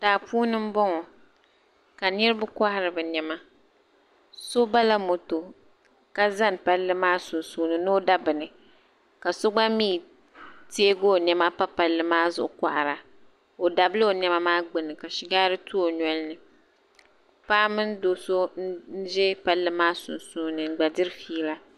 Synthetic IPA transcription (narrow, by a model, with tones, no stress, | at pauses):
daː˨puː˦nɨ˦m̩˦bɔ˦ŋɔ˨ | ka˨nɨ˦ɾɨ˦bʊ˦ka˦ha˦ɾɨ˨bɨ˨ɲɛ˨ma˦ | so˦ba˦la˦mo˨to˨ | ka˦za˦n˨pa˦lːɨ˦maː˦sʊ˨n˨suː˦nɨ˦nɨ˦o˦da˦bɨ˨nɨ˨ | ka˨so˦ɡ͡ba˦miː˦ | te˦ɡoː˦ɲɛ˦ma˦pa˦pa˨lːɨ˦maː˦zʊ̰˨ʔʊ˦ka̰˨ʔa˨ɾa˨ | o˨da˨bɨ˦lɨ˦o˨nɛ˦ma˦maː˦ɡ͡bɨ˨nɨ˨ka˨ʃɪ˦ɡaː˦ɾɨ˦tu˦o˨ɲɔ˦lnɨ˨ | paː˦mɨ˦ndo˨so˦n̩˦n̩˦ʒɛ˦pa˦lːɨ˦maː˦sʊ˨nsu˦nɨ˨ɡ͡ba˨dɨ˦ɾfiː˦la˦